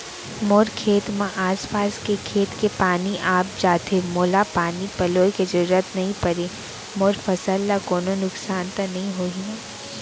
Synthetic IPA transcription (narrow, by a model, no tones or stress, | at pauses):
moːɾkʰeːt̪mãʔaːspaːskekʰeːt̪kepaːniʔaːp̚d͡ʒaːt̪emoːlapaːnipɐloːkezɐɾuɾat̪nɐɦĩpɐɾe | moːɾfɐsəlːakoːnonʊksaːnt̪anɐɦĩɦoːi